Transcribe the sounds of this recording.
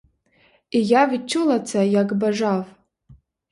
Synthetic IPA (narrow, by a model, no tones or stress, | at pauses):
ijavt͡ʃʰulat͡sʰajaɡbaʐav